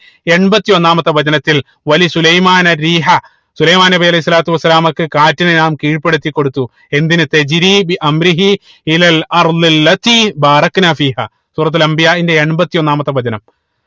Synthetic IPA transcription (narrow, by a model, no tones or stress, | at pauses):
e̞ɳbɐt̪ːijo̞nːaːmɐt̪ːɐʋɐd͡ʑɐnɐt̪ːil | ʋɐlisulɐjmaːnɐriːɦɐ | sulɐjmaːnebiɐlɐjisːɐlaːt̪ːuʋɐsːɐlaːmɐkːɨkaːtːinenaːmkiːɻpːe̞ɽut̪ːikːo̞ɽut̪ːu | e̞nd̪inɨt̪ɐd͡ʑɾiːbiʔɐmɾiɦi | ilɐlɐɾd̪ilːɐt̪iːbaːɾɐknaːfiːɦaː | st̪uːrɐt̪̬ːɐlɐmbijaːindeeɳbɐt̪ːijo̞nːaːmɐt̪ːɐʋɐd͡ʑɐnɐm